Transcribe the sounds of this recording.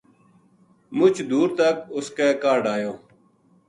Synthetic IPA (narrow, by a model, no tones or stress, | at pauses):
mʊt͡ʃd̪uːɾt̪əkʊskeːkaːɖaːjoː